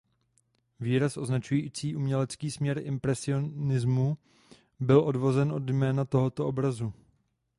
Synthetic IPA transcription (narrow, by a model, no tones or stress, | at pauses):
viːɾasʔo̞znat͡ʃujiːt͡siːʔumɲɛlɛt͡skiːsmɲɛɾɪmpɾɛsɪo̞nɪzmu | bɪlʔo̞dvo̞zɛnʔo̞d̪jmɛːnat̪o̞ɦot̪oʔo̞bɾazu